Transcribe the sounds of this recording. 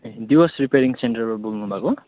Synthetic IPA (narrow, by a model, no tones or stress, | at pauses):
ed̪iwʌsripeɾiŋsenɳʈʌrmabulnubʱako